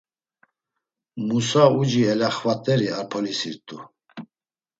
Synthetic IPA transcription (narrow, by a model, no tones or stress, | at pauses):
musaud͡ʒiɛlaχvat̪ʼɛɾiaɾpʰɔlisiɾt̪ʼu